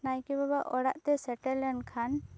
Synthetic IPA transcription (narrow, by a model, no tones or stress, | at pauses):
najkɛbabaʔɔɽa̰ʔt̪ɛsɛʈɛlɛɳkʰan